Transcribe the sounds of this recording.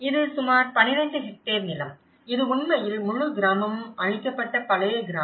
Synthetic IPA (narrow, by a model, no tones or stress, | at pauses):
ɪðɯsʊmaːɾpɐnɪɾɐɳɖɯɦɛk̚ʈːeːɾnɪlɐm | ɪðɯʊɳmɐjɪlmʊɻʊɡɪɾaːmɐmmɐɻɪkːɐpːɐʈːɐpɐlɐjɐɡɪɾaː